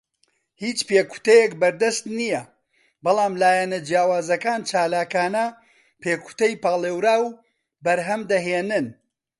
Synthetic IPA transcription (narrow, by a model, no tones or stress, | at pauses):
hiːt͡ʃpeːku̥t̪ɐjekbɐɾd̪ɐst̪nijɐ | bɑlˠaːmlaːjɛnɐd͡ʒjaːwaːzɐkaːnt͡ʃaːlaːkaːnɐ | peːku̥t̪ɐjpaːlˠeːwɾaːw | bɐɾɦɐmd̪ɐɦeːnɨn